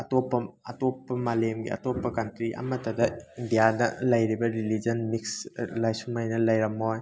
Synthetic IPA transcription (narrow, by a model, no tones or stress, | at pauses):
ɐtopːɐɐtopːɐmalemɡḭɐ̰topːɐkɐntɾiʔɐ̰mɐtɐdɐindijanɐlɐjɾibɐɾilid͡ʒɐnmikslajsumajnɐlɐjɾɐmːoj